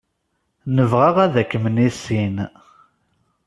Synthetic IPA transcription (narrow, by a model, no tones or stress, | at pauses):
nəvʁaʁæðækːəmnisin